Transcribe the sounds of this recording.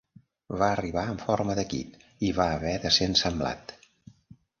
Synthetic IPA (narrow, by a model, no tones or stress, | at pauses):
βaəriβaəɱfoɾməðəkḭp | iβaəβɛðəsensəmbla̰t̪